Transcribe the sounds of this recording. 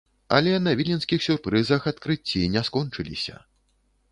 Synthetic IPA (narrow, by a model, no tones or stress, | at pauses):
ɐ̰lʲɛnɐvʲilʲinskʲixsʲurpɾɨzɐxat̪kɾɨt͡sʲːinʲɛskɔnt͡ʂɨlʲḭsʲɐ̰